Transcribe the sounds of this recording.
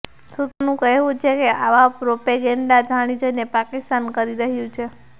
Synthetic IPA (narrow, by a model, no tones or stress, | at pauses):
sut̪nũkəɦʋũt͡ʃʰekeʔaʋapɾopeɡɛɳɖad͡ʒʱaɽ̃id͡ʒəjnepakist̪ankəɾiɾəɦjũt͡ʃʰe